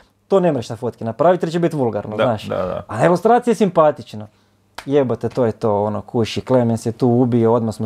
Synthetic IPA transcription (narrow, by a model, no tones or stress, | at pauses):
t̪oːnemɾeʃt̪afot̪kinapɾaːʋit̪elit͡ʃebit̪ʋulˠɡaɾnoznaːʃaa̰aeʋost̪ɾaːt̪sijesimpat̪it͡ʃna | jebot̪et̪oːjet̪oːonokʰuʃiklemensjet̪uːubiood̪masmo